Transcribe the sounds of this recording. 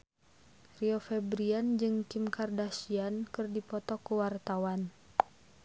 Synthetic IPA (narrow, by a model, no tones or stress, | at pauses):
riɔfɛbɾiand͡ʒɨŋkimkardasiankɨrdipɔt̪ɔkuwart̪awan